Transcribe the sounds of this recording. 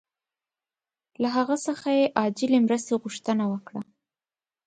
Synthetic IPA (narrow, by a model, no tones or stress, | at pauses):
laɦaɣasəxajeʔɑd͡ʒɪlemɾəst̪eɣuʃt̪ənawəkɽa